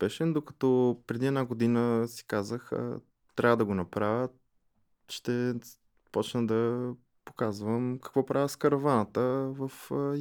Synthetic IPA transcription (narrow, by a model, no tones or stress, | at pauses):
spɛʃɛnd̪okə̥t̪ɔpɾɛd̪iɛd̪naɡod̪inəsi̥kazəxə̰ | t̪ɾʲavəd̪ɐɡonɐpɾavʲə | ʃt̪ɛ | pɔt͡ʃnəd̪ɐ | po̥kazvəmkɐ̥kvɔpɾavʲəskəɾɐvanət̪əvəf